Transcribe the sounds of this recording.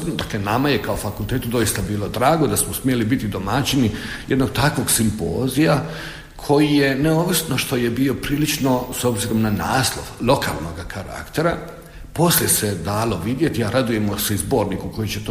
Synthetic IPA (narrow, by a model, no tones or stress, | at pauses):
d̪akle̞namajekaofakulˠt̪eːt̪ud̪o̞jist̪abiːlo̞d̪ɾaːɡod̪asmosmje̞libit̪id̪o̞mat͡ʃinijed̪no̞ɡ̚t̪akʋo̞ɡsimpo̰ːzija | kʰo̞jije̞neoʋisno̞ʃt̪o̞jebio̞pɾiːlit͡ʃno̞sobziɾo̞mnana̰ːslˠo̞ʋlˠo̞kʰa̰ːlˠno̞ɡakʰaɾa̰kt̪e̞ɾa | po̞slʲjesed̪aːlo̞ʋid̪je̞t̪iaɾad̪uje̞moseizbo̞ːɾnikuko̞jit͡ɕet̪